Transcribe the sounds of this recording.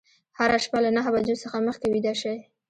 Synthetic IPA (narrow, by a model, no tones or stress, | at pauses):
haɾaʃpalanaɦabad͡ʒosəxaməxkawid̪aʃaj